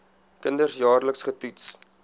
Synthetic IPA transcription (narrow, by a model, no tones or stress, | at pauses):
kəndərsjɑːrləksχətuts